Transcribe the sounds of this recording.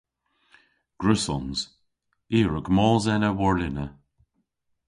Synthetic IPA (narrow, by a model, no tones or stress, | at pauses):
ɡ̥ɹʉsɔnz̥ | iːɹəɡmɔːlzɛnəwɔɹlɪnə